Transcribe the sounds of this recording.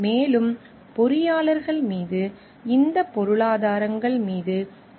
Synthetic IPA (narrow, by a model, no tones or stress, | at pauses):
meːlɯm | pɔɾɪjaːlɐɾɣɐɭmiːðɯ | ɪnd̪ɐpːɔɾɯɭaːðaːɾɐŋɡɐɭmiːðɯ